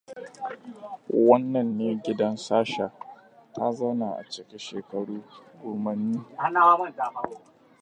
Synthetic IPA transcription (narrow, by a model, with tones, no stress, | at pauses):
wɐ˦nːɐ˨nːeː˦ɡʲɪ˦dɐ˦nsaː˦ʃa˨ | tʰa˦zɐ˦wna˨ʔa̰˨t͡ʃɪ˨kʲe˦ʃeː˨kɐ˨ɽuː˦ɡoː˨mɐ˨niː˦ha˦naː˦waː˦mɐ˦n˨daː˨ma˦